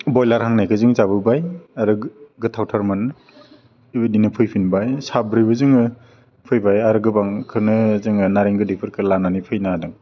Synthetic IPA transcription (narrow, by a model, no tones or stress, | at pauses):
bɔjlaɾhaŋnajkʰɯzɯŋzaβɯbajaɾɯɡɯtʰawtʰaɾmɯn | ibɯdinɯpʰɯjpʰinbajsabɾɯbɯzɯŋɯ | pʰɯjbajaɾɯɡɯbaŋkʰɯnɯzɯŋɯnaɾiŋɡɯdipʰɯɾkʰɯlananipʰɯjnadɯŋ